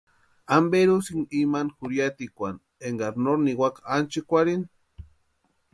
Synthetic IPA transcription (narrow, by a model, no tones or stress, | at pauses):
ambeɾusiŋimanxuɾjat̪ikʷan | eŋɡaɾnoɾniwakant͡ʃikʷaɾin